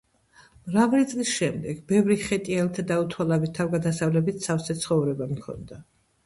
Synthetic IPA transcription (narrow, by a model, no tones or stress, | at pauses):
mɾavlit̪sʼlisʃɛmd̪ɛɡ̥bɛvɾiχɛt̪ʼialt̪ʰad̪aut̪ʰwalabit̪ʰːavɡad̪asavlɛbit̪sʰafsɛt̪sʰχɔvɾɛbamkʰɔ̰nd̪a